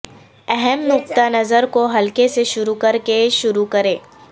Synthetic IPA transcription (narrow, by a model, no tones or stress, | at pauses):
ɛɦɛmnʊqt̪anɐzəɾkoɦɐlkeseʃʊɾukɐɾkeʃʊɾukɐɾẽː